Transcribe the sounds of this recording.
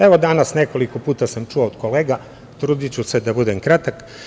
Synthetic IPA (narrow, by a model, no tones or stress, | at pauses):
eʋo̞d̪anasne̞ko̞liko̞puːt̪asamt͡ʃuood̪̥ko̞leːɡa | t̪ɾuːd̪it͡ɕused̪abud̪emkɾat̪ak